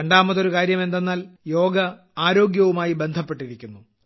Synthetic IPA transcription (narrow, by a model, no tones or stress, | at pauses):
ɐɳɖaːmɐt̪ːo̞ɾukaːɾjɐme̞nd̪e̞nːaːljo̞ːɡɐ | aːɾo̞ːɡjɐʋumaːjibe̞nd̪ʱɐpːe̞ʈːiɾikʲːunːu